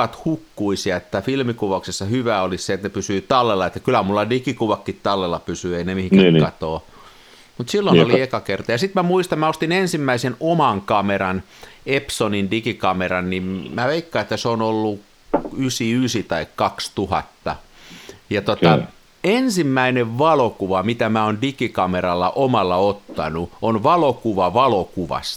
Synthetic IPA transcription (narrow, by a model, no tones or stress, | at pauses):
ɑt̪hukːuisiɑet̪ːæfilmikuʋɑuksesːɑhyʋæːolisset̪nepysyːt̪ɑlːelːɑet̪ːæ̥kylæmulːɑdikikuʋɑkːit̪tɑlːelːɑpysyːeinemihiŋkːkɑt̪oː | mut̪silːonoliekɑkert̪ɑjɑsit̪mæmuist̪ɑmmæost̪inensimːæisenomɑŋkɑmeɾɑn | epsonindikikɑmerɑnnimmæʋeikːɑet̪ːæseonolːu | ysiysit̪ɑikkɑkst̪uhɑ̰t̪ːɑ | jɑt̪ot̪ɑ | ensimːæineʋʋɑlokuʋɑmit̪æmæondikikɑmerɑlːɑʔomɑlːɑot̪ːɑ̰nuonʋɑlokuʋɑʋɑlokuʋɑ̰s